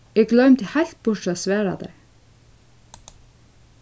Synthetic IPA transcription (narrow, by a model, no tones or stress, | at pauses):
eɡlœʉmt̪hæɪl̥t̪̚b̥ʊʈoːsʋæːɾɑ̰d̪ḛ